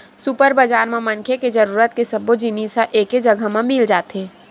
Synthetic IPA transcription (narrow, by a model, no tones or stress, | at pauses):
supəɾbəd͡ʒaːɾmẽmənkʰeked͡ʒəɾuːɾət̪̚kesəbːod͡ʒiniːsaʔeːked͡ʒəɡʱəmẽmɪld͡ʒaːt̪eː